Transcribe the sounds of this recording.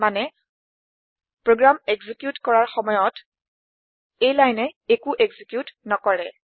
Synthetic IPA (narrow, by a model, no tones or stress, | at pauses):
manɛ | pɹoɡɹameɡzikjutkɔɹaɹxɔmɔjɔt | ejlajnɛekuʔeɡzikjutnɔkɔɹɛ